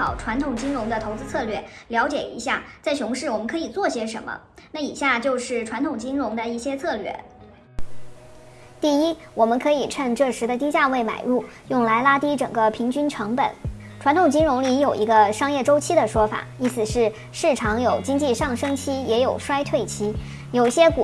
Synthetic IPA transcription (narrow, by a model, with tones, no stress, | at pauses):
ɑ˨˩ʊʈ͡ʂʰwa˧˥nt̪ʰʊ˨˩ŋt͡ɕi˥ŋɻʊ˧˥ŋd̪ə˧t̪ʰo˧˥ʊt͡sɹ̩˥t͡sʰɤ˥˧lɥɛ˥˩ljɑ˧˥ʊt͡ɕjɛ̰˨˩ḭ˧˥ɕja˥˩t͡sa˥˩ɪɕʊ˧˥ŋʂɻ̩˥˩wɔ˨˩mə˦nkʰɤ˧˥i˨˩t͡swɔ˥˩ɕjɛ˥ʂə̰˧˥nmə̰˧ | na˥˩i˨˩ɕja˥˩t͡ɕjo˥˧ʊʂɻ̩˥˩ʈ͡ʂʰwa˧˥nt̪ʰʊ˨˩ŋt͡ɕi˥ŋɻʊ˧˥ŋd̪ə˧i˥˩ɕjɛ˥t͡sʰɤ˥˧lɥɛ̰˥˩ | t̪i˥˩i˥wɔ˨˩mə˦nkʰɤ˧˥i˨˩ʈ͡ʂʰə˥˧nʈ͡ʂɤ˥˩ʂɻ̩˧˥d̪ə˧t̪i˥t͡ɕja˥˧we˥˩ɪma̰˨˩ɪɻu˥˩jʊ˥˩ŋla˧˥ɪla˥t̪i˥ʈ͡ʂɤ̰˨˩ŋɡə˦pʰi˧˥ŋt͡ɕy˥nʈ͡ʂʰɤ˧˥ŋpə˨˩˦n | ʈ͡ʂʰwa˧˥nt̪ʰʊ˨˩ŋt͡ɕi˥ŋɻʊ˧˥ŋli˧˥jo˨˩ʊʔi˧˥ɡə˧ʂɑ˥ŋjɛ˥˩ʈ͡ʂo˥ʊt͡ɕʰi˥d̪ə˨ʂwɔ˥fa̰˨˩˦i˥sɹ̩˨˩ʂɻ̩˥˧ | ʂɻ̩˥˩ʈ͡ʂʰɑ˧˥ŋjo˨˩ʊt͡ɕi˥ŋt͡ɕi˥˧ʂɑ˥˩ŋʂɤ˥ŋt͡ɕʰi˥jɛ˧˥jo˨˩ʊʂwa˥ɪt̪ʰwe˥˩ɪt͡ɕʰi˥ | jo˨˩i˧˩ɕjɛ˥k